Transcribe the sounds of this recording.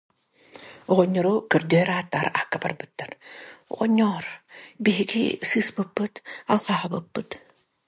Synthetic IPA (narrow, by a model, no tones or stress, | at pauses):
ɔʁɔɲːɔɾukœɾd̪yɛɾaːt̪ːaːɾahkːaba̰ɾbɯt̪ːaɾɔ̰ʁɔɲːɔːɾbiɦiɡḭsɯːspɯpːɯt̪alˠχaɦabɯpːɯt̪